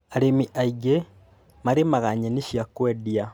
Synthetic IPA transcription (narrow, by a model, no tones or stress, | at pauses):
aɾemiʔaiɡe | maɾemaɣaɲeniʃjakwedja